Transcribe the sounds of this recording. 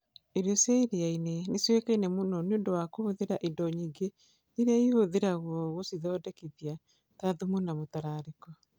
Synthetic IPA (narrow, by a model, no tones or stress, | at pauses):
eɾjɔsjaiɾeaineneswekainɛmonɔneoːndowakohoðeɾaʔedɔɲiːɡe | iɾeaihoðeɾaɣwɔɣosiðɔdɛkiðja | taðumunamotaɾaːɾekɔ